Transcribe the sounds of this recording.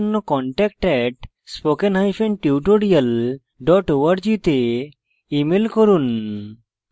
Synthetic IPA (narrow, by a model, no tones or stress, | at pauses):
nːɔkɔɳʈɛk̚ʈɛʈ | spokenɦajpʰenʈiuʈoɽijəl | ɖɔʈoʋaɾd͡ʒit̪e | imelkɔɾun